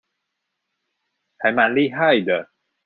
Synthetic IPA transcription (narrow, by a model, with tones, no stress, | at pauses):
hʰa˨˦ma˧nli˥ɦa˥˩jd̪ə˨˩